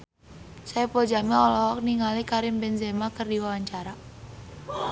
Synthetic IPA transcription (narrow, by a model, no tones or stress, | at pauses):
sajpod͡ʒamiɔlɔɦɔk̚niŋalikaɾɪmbɛnzemakərdiwawaɲt͡ʃaɾa